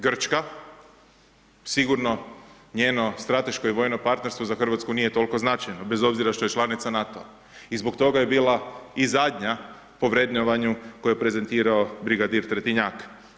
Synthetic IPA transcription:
ɡr̩t͡ʃka | siɡuɾno̞ | ɲeːno̞st̪ɾat̪e̞ʃko̞iʋo̞ːjnopaɾt̪ne̞ɾst̪ʋo̞zaxr̩ʋat̪skunije̞t̪o̞lko̞znat͡ʃajnobe̞zo̞bziɾaʃt̪oje̞t͡ʃlˠanit̪sanat̪oa̰ | izbo̞kt̪o̞ɡaje̞biːlˠaizad̪ɲa | po̞ʋɾe̞d̪ɲoʋaɲuko̞jepɾe̞ze̞nt̪iːɾaobɾiɡad̪iɾt̪ɾet̪iɲak

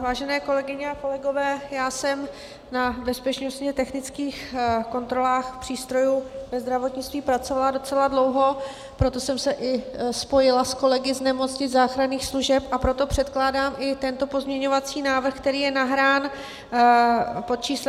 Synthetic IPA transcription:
vaːʒɛnɛːko̞lɛɡɪɲɛako̞lɛɡo̞vɛːjaːsɛm | nabɛspɛt͡ʃno̞st̪ɲɛt̪ɛxnɪt͡skiːxko̞nt̪ɾo̞laːxpr̥iːst̪ɾo̞juːvɛzd̪ɾavo̞t̪ɲɪt͡st̪viːpɾat͡so̞valado̞t͡sɛladlo̞wɦo̞ | pɾo̞t̪o̞sɛmsɛʔɪspo̞jɪlasko̞lɛɡɪznɛmo̞t͡sɲɪzaːxɾaniːxsluʒɛpʔapɾo̞t̪o̞pr̝̥ɛt̪klaːdaːmʔɪt̪ɛnt̪o̞po̞zmɲɛɲo̞vat͡siːnaːvr̩xk̚t̪ɛɾiːjɛnaɦɾaːn | po̞t̪̚t͡ʃiːs

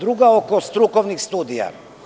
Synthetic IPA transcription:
d̪ɾuɡaokɔst̪ɾukɔvnixst̪ud̪ija̰

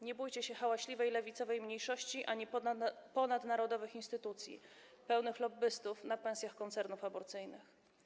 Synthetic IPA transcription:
ɲɛbujt͡ɕɛɕɛxawaɕlʲivɛjlɛvʲit̪sɔvɛjmɲejʂɔɕt͡ɕiʔaɲipɔnad̪naɾɔd̪ɔvɘxinst̪ɘt̪ut̪sʲjḭ | pɛwnɘxlɔbɘst̪ufnapɛ̃sʲjaxkɔnt̪sɛɾnufabɔɾt̪sɘjnɘx

